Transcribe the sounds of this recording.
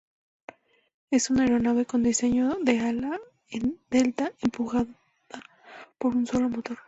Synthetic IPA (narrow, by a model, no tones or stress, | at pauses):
e̞sunaeɾo̞naβe̞ko̞nd̪ise̞ɲoðe̞ala | end̪e̞lt̪aʔempuxa | ða | po̞ɾunso̞lomot̪o̞ɾ